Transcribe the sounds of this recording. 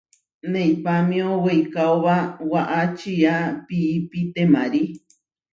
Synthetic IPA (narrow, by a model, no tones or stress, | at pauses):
nẽjpamĩowejkaoβawaʔat͡ʃiapiːpit̪emãɾi